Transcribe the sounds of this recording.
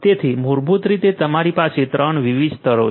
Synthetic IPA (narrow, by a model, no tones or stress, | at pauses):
t̪et̪ʰimuɾbʱut̪ɾit̪et̪əmaɾipaset̪ɾəɳʋiʋid͡ʒt̪əɾo̰